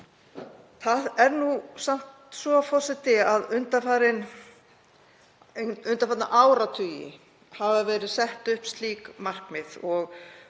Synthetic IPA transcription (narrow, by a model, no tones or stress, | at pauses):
θaðɛɾnusam̥t̪svɔfɔ̥sɪht̪ɪaðʏnt̪afaːɾɪn | ʏnt̪afaːt̪na̰ʔaːwɾat̪ʰʏːjɪ̰ | havavɛːɾɪðsɛht̪ʏhpst̪liːkmar̥kmɪðɔɣ